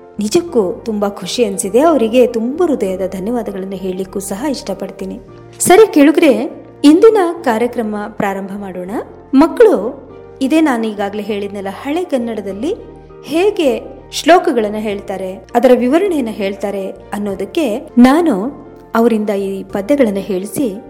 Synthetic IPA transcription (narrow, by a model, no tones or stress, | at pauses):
nid͡ʒɐkːut̪umbɐkʰuʂiɐnsid̪e̞ɐʋɐɾiɡe̞t̪umbɐɾud̪ɐjɐd̪ɐd̪ʱɐnjɐʋaːd̪ɐɡɐɭɐnːuɦe̞ːɭilikːuːsɐɦɐiʂʈɐpɐɖt̪iːni | sɐɾikeɭuɡɾe̞ | ind̪inɐkaːɾjɐkɾɐmɐpɾaːɾɐmbʱɐmaːɽoːɳɐ | mɐkːɐɭu | id̪e̞ːnaːnuiːɡaːɡɐle̞ɦe̞ːɭid̪nilːɐhɐɭeɡɐnːɐɽɐd̪ɐlːi | heːɡe̞ | ʃlɔːkɐɡɐɭɐnːuɦe̞ːɭt̪aːɾe̞ɐd̪ɐɾɐʋiʋɐɾɐɳɛjɐnːɐɦe̞ːɭt̪aːɾe | ɐnːo̞ːd̪ɐkːe̞naːnu | ɐʋɐɾind̪ɐiːpɐd̪jɛɡɐɭɐnːuɦe̞ːɭisi